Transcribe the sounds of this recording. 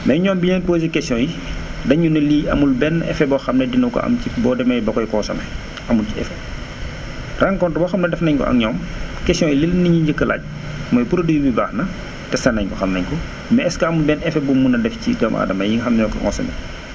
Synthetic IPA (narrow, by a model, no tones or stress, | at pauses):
mɐjɲɔːmbiɲɛnpozikɛsiɔ̃jidɐɲunɐliːɐ̰mulbɛnːʔɛ̰fɛbɔxɐmnɐdinɐkɔ̰ʔɐ̰mcibɔːdɛmɐjbɐkɔjkɔːsɐ̰mɛ | ɐmulciɛ̰fɛ | raŋkɔntbɔxɐmnɐdɛfnɐɲkɔ̰ʔɐ̰ŋɲɔːmkɛsijɔ̃jililniɲuɲɟəkːəlʔa̰ːc̚ | mɔːjpuɾɐdujubibaːxnɐ | tɛsɐnɐɲkɔxɐmnɐɲkɔ | mɐɛskɐɐmulbɛnɛfɛbumunɐdɛfciɟɔmʔa̰dɐmɐjiŋxɐmnɲɔkɔ̰ŋɔ̰sɐ̰mɛ̰